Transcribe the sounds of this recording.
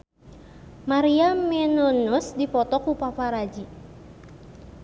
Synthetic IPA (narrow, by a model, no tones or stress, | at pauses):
maɾiamɛnɔnusdipɔt̪ɔkupapaɾad͡ʒi